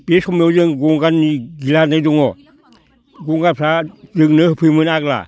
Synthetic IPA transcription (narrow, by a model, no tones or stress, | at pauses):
b̥esɔmezɯŋɡoŋɡanːiɡilanadɔŋɔ | ɡoŋɡanpʰɾazɯŋnɯhɯpʰɯmɯnaɡla̰